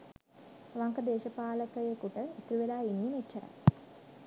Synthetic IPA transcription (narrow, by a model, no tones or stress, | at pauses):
ʋaŋkəd̪eːʃəpaːləkəjekuʈəit̪ɾuʋelaːinːimett͡ʃːəɾa̰